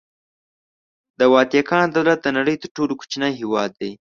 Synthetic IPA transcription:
d̪əwɑt̪jakɑnd̪awlat̪̚d̪ənaɽəjt̪əɾʈoloku̥t͡ʃnajɦewɑd̪ːaj

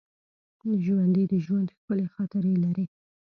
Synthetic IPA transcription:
d̪əʒwand̪əd̪əʒwand̪xpəlexɑt̪əɾəlaɾi

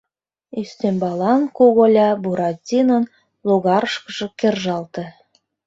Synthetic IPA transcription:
yst̪embɑlɑnkuɣolʲɑbuɾɑtʲinən | luɣɑɾəʃkə̆ʒɤ̆kerʒɑlt̪ĕ

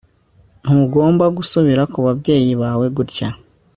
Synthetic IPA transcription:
n̥uɡo̞ːmbaɡusuβiɾakuβabɟe̞ːjiβaːwe̞ɡuɾca

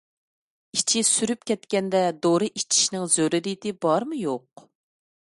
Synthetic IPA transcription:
it͡ʃʰisyɾyp̚kʲʰɛt̪kʲɛnd̪ɛd̪oɾɨʔit͡ʃʰi̥ʃnɪŋzøɾɪɾit̪ɪbɑɾmɨjoq

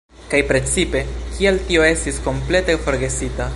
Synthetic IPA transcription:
kajpɾe̞t͡sipe̞kieltio̞e̞stisko̞mple̞te̞fo̞ɾɡe̞sita

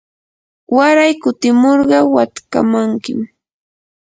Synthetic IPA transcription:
waɾajkʊt̪ɪmoɾɢɑwat̪ka̰maŋkɪm

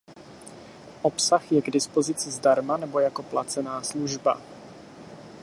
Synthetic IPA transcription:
ʔo̞psaxjɛɡdɪspo̞zɪt͡sɪzdaɾmanɛbo̞jako̞plat͡sɛnaːsluʒba̰

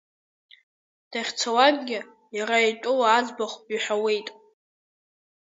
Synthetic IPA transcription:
d̥aχʲt͡sʰawaɡɡʲɪ | jaɾaejtʼʊwaːd͡zbaχʷiħʷawe̞jtʼ

